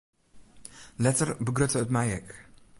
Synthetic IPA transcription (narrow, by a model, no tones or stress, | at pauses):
lɛtərbəɡɾøtəətmajɛk